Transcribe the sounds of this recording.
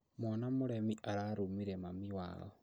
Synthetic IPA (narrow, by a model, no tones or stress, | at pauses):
mɔnamuɾemiʔaɾaɾumiɾemamiwa̰ːlɔ